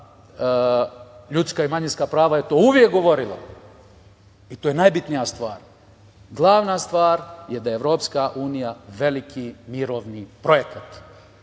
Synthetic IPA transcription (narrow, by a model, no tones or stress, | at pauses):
ʎut̪skaimaɲinskapɾaːʋajet̪o̞ːuʋjek̚ɡo̞ʋo̞ɾila̰ | it̪oːjenajbit̪nijast̪ʋaːɾ | ɡlˠaːʋnast̪ʋaːɾjed̪ajeeʋɾo̞ːpskaʔuːnijaʋe̞likʰimiɾo̞ːʋnipɾo̞jekat̪